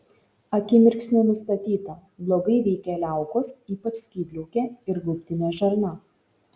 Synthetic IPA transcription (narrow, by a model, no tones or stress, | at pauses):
ɐkʲɪmʲɪɾʲksʲnʲʊnʊst̪ɐt̪ʲiːt̪ɐblˠoːɡɐɪʋʲɛɪkʲɛlʲæˑʊkoːsiːpɐt͡ʃsʲkʲiːd̪ʲlʲɛʊkʲeːɪɾɡʊpʲt̪ʲɪnʲeʒɐɾnɐ